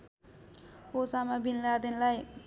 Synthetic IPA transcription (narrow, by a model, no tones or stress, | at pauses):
osamabinlad̪inlaj